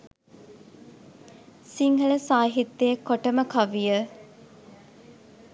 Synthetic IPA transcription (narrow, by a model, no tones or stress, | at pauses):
siŋɦəɭəsaːɦit̪ːeekːoʈəməkaʋijə